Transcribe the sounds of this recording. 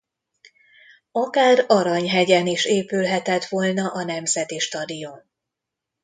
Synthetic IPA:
ɒkaːrɒɾɒɲɦɛɟɛniʃeːpylɦɛt̪ɛt̪ʋoːlnɒʔɒnɛmzɛt̪iʃt̪ɒd̪ion

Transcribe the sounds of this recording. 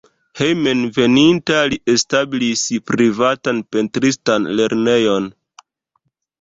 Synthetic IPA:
hejmenve̞nintaliʔe̞stabilispɾivatanpe̞ntɾistanle̞ɾne̞jo̞n

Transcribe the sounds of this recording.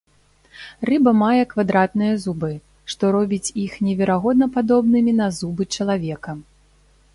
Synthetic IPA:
rɨbɐmajɛkvad̪ɾat̪̚nɨjɐzubɨ | ʂt̪ɔɾɔbʲit͡sʲixnʲɛvʲɛɾaɣɔd̪̚nɐpad̪ɔbnɨmʲinɐzubɨt͡ʂɐlˠavʲɛkɐ

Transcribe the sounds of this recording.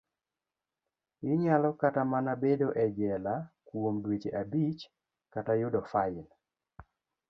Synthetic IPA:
ɪɲalɔkatamanabedoʔɛd͡ʒɛlakwomdwet͡ʃeʔabit͡ʃ | katajʊdɔfaɪn

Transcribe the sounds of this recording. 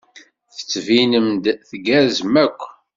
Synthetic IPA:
θə̥t͡sːvinəmd̪θɡæzəmækʷː

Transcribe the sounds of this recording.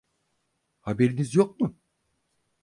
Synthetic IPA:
habe̞ɾinizjok̚mʊ

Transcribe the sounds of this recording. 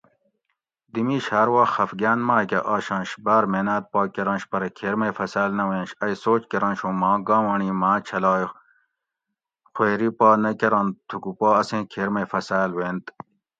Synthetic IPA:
d̪imiːɕhaːɾwaːxɐfɡaːnmaːkʲeʔaːɕɐ̃nɕbaːɾmeːnaːt̪̚pɑːkeɾɐ̃nɕpɐɾɐkʰeːɾmɐjfɐsaːlnɐwẽːnɕɐjsoːt͡ɕkeɾɐ̃nɕũːmãːɡãːwɐɳiːmãːt͡ɕʰɐlɑːj | xweːɾipaːnɐkeɾɐ̃nt̪ʰukupaːɐsẽːkʰeːɾmefɐsaːlweːnt̪

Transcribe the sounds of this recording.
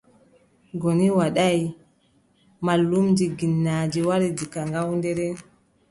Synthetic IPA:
ɡoniwaɗaj | malːumd͡ʒiɡinːaːd͡ʒiwaɾidikaŋɡawndɛɾɛ

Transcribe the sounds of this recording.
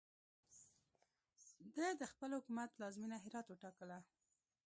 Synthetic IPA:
d̪əjd̪əxpəlhʊkumat̪lɑzminaɦɪɾɑt̪wəʈɑkəla

